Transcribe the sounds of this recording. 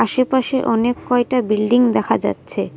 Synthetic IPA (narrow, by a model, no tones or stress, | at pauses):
aʃepaʃeʔɔnekːɔek̚ʈabilɖiŋd̪ɛkʰad͡ʑa̰tːɕʰe